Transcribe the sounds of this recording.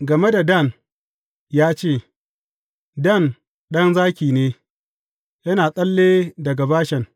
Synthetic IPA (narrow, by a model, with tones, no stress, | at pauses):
ɡɐ˨me˦da˨dɐ˦˨n | jaː˦t͡ʃeː˦˨ | dɐ˦˨n | ɗɐ˦nzaː˦kʲiː˨neː˦ | jɐ˦naː˨sʼɐ˦lːeː˦dɐ˨ɡa˨baː˦ʃɛ˨ŋ